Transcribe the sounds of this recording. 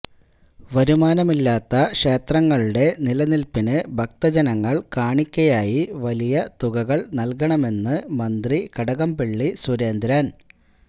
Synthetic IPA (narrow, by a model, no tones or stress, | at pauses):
ʋɐɾumaːnɐmilːaːt̪ːɐkʂe̞ːt̪rɐŋːɐɭuɽe̞nilɐnilpinɨbʱɐk̚t̪ɐd͡ʑɐnɐŋːɐɭkaːɳikʲːɐjaːjiʋɐlijɐt̪uɣɐɣɐɭnɐlkɐɳɐme̞nːɨmɐnd̪rikɐɽɐɣɐmpeɭːisuɾe̞ːnd̪ɾaːn